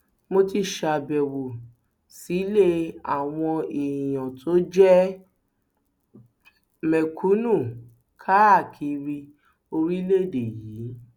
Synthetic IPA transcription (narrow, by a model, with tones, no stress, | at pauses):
mo˧ti˧ʃa˧˨bɛ˨wo˨ | si˨˦le˦a˨w̃ɔ̃˧i˨j̃ã˨tʰo˨˦d͡ʒɛ˦ | mɛ˨kʰu˨˦nũ˦˨ | kʰa˦a˦˨kʰi˧ɾi˧ | o˧ɾi˦le˦˨de˨jiː˨˦